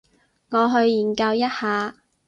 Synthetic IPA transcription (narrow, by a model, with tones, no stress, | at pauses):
ŋɔː˨˧ɦɵ˧ɥjiː˨˩nkɐ˧wjɐ˥t̚haː˨˧